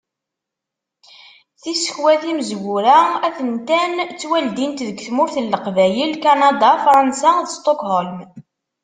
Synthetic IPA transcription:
θisə̥çwæθiməzwʊɾææθənt̪ænt͡sːwæld̪int̪ðəɡθmʊɾθəlːəqvæjilkɑnɑd̪ɑfɾˤɑnsaðəst̪ˤokɦolm

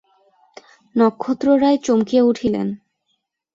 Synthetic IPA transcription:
nɔkʰːot̪ːɾoɾaet͡ɕomkieuʈʰilḛn

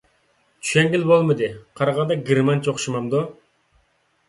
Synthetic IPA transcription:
t͡ʃʰy̥ʃɛŋɡʲilbolˠmɨd̪ɨqʰɑɾɑʁɑnd̪ɑɡʲiɾmɑnt͡ʃʰoχʃimɑmd̪u

